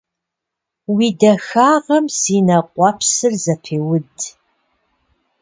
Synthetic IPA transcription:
wiːdɐxaːʁɐmsiːnɐqʷɑpʰsɨrzɐpʰeːwʊd

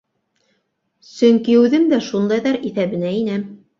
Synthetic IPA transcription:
sɵŋkiʉðɘmd̪æʃund̪ɑjðɑɾiθæβɘ̆næinæm

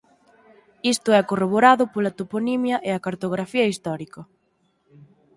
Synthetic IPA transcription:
ist̪ʊɛkoroβ̞oɾaðʊpolɐt̪oponimjɐʔeɐkaɾt̪oɣ̞ɾafiɐist̪ɔɾikɐ

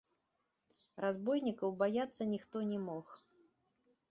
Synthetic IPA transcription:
razbɔjnʲikɐwbajat̪sːɐnʲixt̪ɔnʲɛmɔx

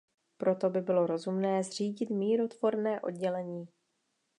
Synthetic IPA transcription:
pɾo̞t̪o̞bɪbɪlo̞ɾo̞zumnɛːzr̝iːɟɪt̪miːɾo̞t̪vo̞ɾnɛːʔo̞̰d̪ɟɛlɛɲiː

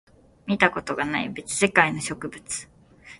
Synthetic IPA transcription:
mʲit̪ako̞t̪o̞ɡanaḭbe̞t͡sɨ̥se̞kaino̞ɕo̞kɯ̟bɯ̟t͡sɨ̥

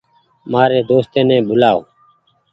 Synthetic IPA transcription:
maːɾeːd̪oːst̪eːnɛ̃ːɓʊlaːo̰ː

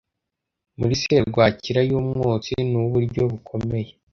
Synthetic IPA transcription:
muɾiseɾɾɡwaːciɾajuːmŋoːt͡sinuβuɾɟo̞βukʰo̞me̞je̞

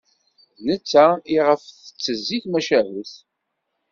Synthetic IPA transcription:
nət͡sːaiʁəfθə̥t͡sːəzːiθmæʃævəθ

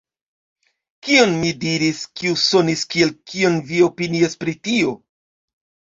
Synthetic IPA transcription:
kio̞nmidiɾiskiuso̞niskie̞lkio̞nvio̞piniaspɾitio̞

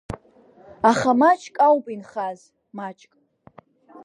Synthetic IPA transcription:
aχamat͡ʃʰʼkʼawpʼinχaz | mat͡ʃʼkʼ

